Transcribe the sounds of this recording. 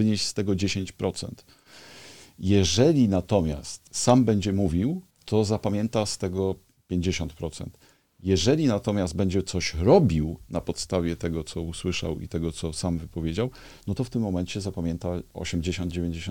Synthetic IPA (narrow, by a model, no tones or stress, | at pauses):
vɘɲeɕʲst̪ɛɡɔd͡ʑeɕeɲt͡ɕpɾʔɔt̪sɛ̰nt̪ | jɛʐɛlʲinat̪ɔmʲja̰st̪sambɛɲd͡ʑɛmuvʲiw | t̪ʰɔzapamʲjɛnt̪ast̪ɛɡɔ | pʲjeɲd͡ʑeɕɔnt̪pɾɔt̪sɛ̰nt̪ | jɛʐɛlʲinat̪ɔmʲjazd̪̚bɛɲd͡ʑɛt̪sɔɕɾɔbʲiwnapɔt̪st̪avʲjɛt̪ɛɡɔt̪sɔuswɘʂa̰wḭt̪ɛɡɔt̪sɔsamvɘpɔvʲjed͡ʑaw | nɔt̪ɔft̪ɘmːɔmɛɲt͡ɕɛzapamʲjɛnt̪aɔ̰ɕɛmd͡ʑeɕɔ̃nd̪̚d͡ʑevʲjẽɲd͡ʑeɕɔ̃